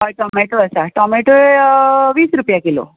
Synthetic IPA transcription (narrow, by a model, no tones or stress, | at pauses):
ɔʈɔmeʈoəsaʈɔmeʈoeʋiːsɾupjakilo̰